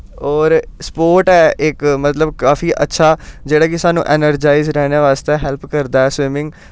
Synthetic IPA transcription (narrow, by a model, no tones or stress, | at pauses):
ɔːɾspoːɾʈɛːɪkmət̪ləbkaːfiːʔətːʃʰaːd͡ʒeːɽaːkɪsaːnṵ̃ːʔɛːnəɾd͡ʒaːizɾɛːnjaːʋaːst̪ɛːɦɛlpkəɾd̪aːɛːsʋɪmɪ̃ŋɡ